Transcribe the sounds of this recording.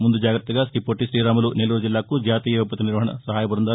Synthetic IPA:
mund̪ud͡ʒaːɡɾɐt̪ːɐɡaːskipoʈːisɾiːɾaːmɐluneluːɾɐd͡ʒilːaːkud͡ʒjaːt̪iːjɐupːɐt̪ːiniɾʋɐɦɐɳɐ̰sɐɦaːjɐpɐɾɐnd̪aː

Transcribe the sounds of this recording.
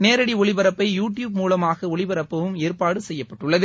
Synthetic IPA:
neːɾɐɽiɔɭɪbɐɾɐpːɐɪjuːʈjuːb̚muːlɐmaːɣɐɔɭɪʋɐɾɐpːɐʋɯmeːɾpaːɽɯsɛjːɐpːɐʈːɯɭːɐðɯ

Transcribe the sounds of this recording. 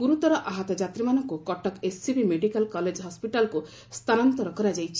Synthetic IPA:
ɡuɾut̪ɔɾɔʔaɦɔt̪ɔd͡ʒat̪ɾimanɔŋkukɔʈɔkesːibimeɖikalkɔled͡ʒɦɔspiʈalku | st̪ʰanɔnt̪ɔɾɔkɔɾad͡ʒajt͡ʃʰi̥

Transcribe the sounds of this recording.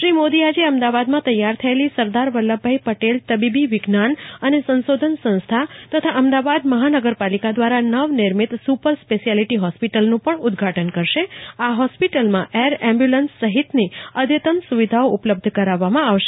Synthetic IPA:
ʃɾimod̪iad͡ʒeəmd̪aʋad̪mãt̪əjːaɾt̪ʰəelisəɾd̪aɾʋəlːəbʱaipəʈelt̪əbibiʋɪɡnanənesə̃nsod̪ʱənsə̃nst̪ʰat̪ət̪ʰaʔəmd̪aʋad̪məɦanəɡəɾpalikad̪ʋaɾanəʋnɪɾmit̪supəɾspeʃijaliʈiɦɔspiʈəlnũpəɳʊd̪ɡʱaʈənkəɾʃeaɦɔspiʈəlmãʔeɾɛ̃mbjulənsːəɦit̪niəd̪ʱjət̪əmsuʋid̪ʱaoʔupləb̚d̪ʱkəɾaʋːamãaʋʃe

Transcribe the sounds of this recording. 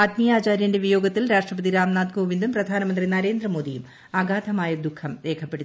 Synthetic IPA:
ɐd̪mijaːt͡ɕaːɾjɐndeʋijo̞ːɡɐt̪ːilɾaːʂʈrɐpɐd̪iɾaːmnaːd̪ɡoːʋind̪umprɐd̪ʱaːnɐmɐnd̪rinɐɾe̞ːnd̪rɐmo̞ːd̪ijum | aɡaːd̪ʰʱɐmaːjɐd̪ukʰːɐmɾe̞ːkʰɐpːe̞ɽu

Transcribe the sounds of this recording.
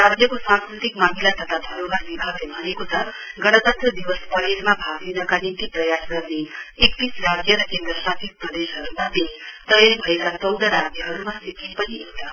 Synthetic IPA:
ɾad͡ʒjʌkosãŋskɾut̪ikmaɦilat̪ʌt̪ʰad̪ʱʌɾoɡaɾʋibʱaɡlebʱʌnekot̪ʌ | ɡʌɽ̃ʌt̪ət̪ɾʌd̪iʋəspʌɾeɾmabʱaɡd̪inʌkanint̪ipɾʌjasɡʌɾneekːisɾad͡zjʌɾʌkend̪ɾəsasik̚pɾʌd̪esɦʌɾumat̪et̪ʌjeɾbʱʌekasʌwd̪ʱəɾad͡zjəɦʌɾumasikipʌniet̪a

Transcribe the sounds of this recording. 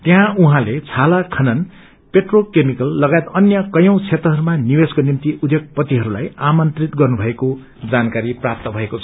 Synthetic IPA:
t̪jɦãuɦãlet͡sʰalakʰʌnʌn | peʈrolkemikʌlːʌɡaet̪ʌnjʌkʌjʌ̃w̃t͡sʰet̪rʌɦʌɾumaniweskonimt̪iud̪joɡ̚pʌt̪iɦʌɾula̰jamʌnt̪rit̪ɡʌrnubʱʌeko | d͡zankaɾiprap̚t̪ʌbʱʌekot͡sʰʌ̥

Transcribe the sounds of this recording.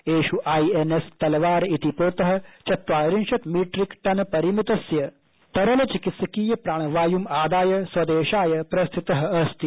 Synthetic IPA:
eːʃuʔaːienest̪ɐlʋaːɾit̪ipoːt̪ɐɦɐ̆t͡ʃɐt̪ʋaːɾinʃɐt̪miːʈɾikʈɐnpɐɾimit̪ɐsjɐ | t̪ɐɾɐlɐt͡ʃikit̪sɐkiːjɐpɾaːɳ̃ɐʋaːjumaːd̪aːjɐswɐd̪eːʃaːjɐpɾɐst̪ʰit̪ɐɦɐ̆ɐst̪i

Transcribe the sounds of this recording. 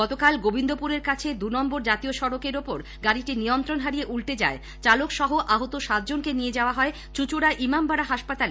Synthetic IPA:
ɡɔt̪okalɡobind̪opuɾeɾkat͡ɕʰed̪unɔmboɾd͡ʑat̪ioʃɔɾokeɾopoɾ | ɡaɾiʈinijont̪ɾonɦaɾijeʔulʈ̪ed͡ʑa̰e | t͡ɕalokʃɔɦoʔaɦot̪oʃat̪̚d͡ʑonkenied͡ʑaoaɦɔe | t͡ɕut͡ɕuɾaʔimambaɾaɦaʃpat̪ale

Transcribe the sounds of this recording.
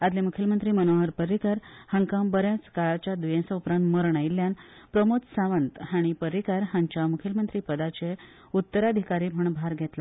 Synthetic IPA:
ad̪lemukʰilmənt̪ɾiːmənoɦəɾpəɾikaɾhəŋkambəɾjãt͡skaɭat͡ɕjad̪ujẽsaupɾãnt̪məɾəɳailːjan | pɾəmot̪saʋənt̪haɽ̃ipəɾikaɾɦãɲt͡ɕjamukʰilmənt̪ɾiːpəd̪at͡ɕe | ut̪ːəɾad̪ʱikaɾiːm̤əɳbʱaɾɡʱet̪la

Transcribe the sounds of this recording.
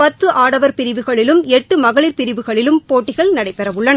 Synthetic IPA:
pɐt̪ːɯʔaːɽɐʋɐɾpɪɾɪʋɯɣɐɭɪlɯmɛʈːɯmɐɣɐɭɪɾpɪɾɪʋɯɣɐɭɪlɯmpoːʈːɪɣɐɭnɐɽɐɪpːɛɾɐʋɯɭːɐnɐ

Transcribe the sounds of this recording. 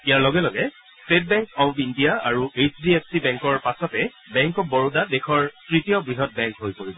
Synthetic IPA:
ijaɹlɔɡɛlɔɡɛ | stet̚bɛ̃ŋkɔpʰindijaaɹuesdiepʰsibɛŋkɔɹpasɔtɛ | bɛŋkɔk̚bɔɹudadɛxʰɔɹtɹitijɔbɹiɦɔt̚bɛŋkɦojpoɹibɔ

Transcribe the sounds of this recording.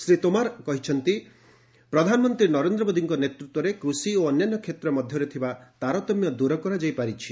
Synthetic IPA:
sɾit̪omaɾkɔɦit͡ʃʰɔnt̪i | pɾɔd̪ʱanɔmɔnt̪ɾinɔɾend̪ɾɔbod̪ʱiŋkɔnet̪ɾut̪wɔɾekɾusioɔnjanːɔkʰet̪ɾɔmɔd̪ʱjɔɾet̪ʰibat̪aɾɔt̪ɔmjɔd̪uɾɔkɔɾad͡ʒajpaɾit͡ʃʰi

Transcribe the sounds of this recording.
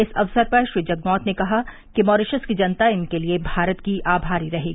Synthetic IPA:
ɪsɐʋsəɾpɐɾʃɾiːd͡ʒɐɡnɔːt̪nekɐɦa | kimɔːɾɪʃəskid͡ʒɐnt̪aɪnkeliebʱaːɾət̪kiʔʔaːbʱaːɾiɾɐɦeːɡi

